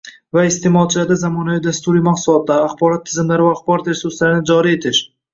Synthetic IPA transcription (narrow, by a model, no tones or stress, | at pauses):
vaɪst̪ʰe̞mɒlˠt͡ʃʰɪlaɾd̪azamɒnavid̪ast̪ʊɾijmaqsʊlˠɒt̪̚ːaːχbɒɾɒt̪ʰːɪzɪmlaɾɪvaːχbɒɾɒt̪ɾesʊɾslaɾɪnɪd͡ʒɒɾie̞t̪ʰɪʃ